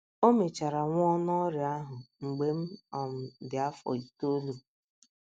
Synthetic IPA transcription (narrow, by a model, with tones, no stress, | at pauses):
o˦me˨t͡ʃa˨ɾa˨ŋʷ˦ɔ˦nɔ˦ɾɪ˨a˦ɦʊ˨ŋ͡m̩˨ɡ͡be˨m̩˦ɔ˨m̩˨dɪ˨a˦fɔ̰˨i˨to˦lu˨